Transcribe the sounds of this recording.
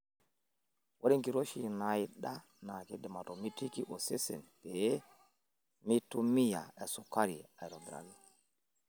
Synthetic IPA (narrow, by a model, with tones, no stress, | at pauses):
wʔa˦ɗi˦ŋki˨ɾo˦ʃi˨na˨jiɗa˦ | na˨ke˦dɛ˨ma˨to˨mi˦ti˦ki˦ʔo˨se˦sɛ̰˨npe˨˦ | mi˦tu˦mi˦ja̰˨ɛ˨su˨ka˦ɾi˨a˨ɾɔ˨dɾa̰˨ɡi˨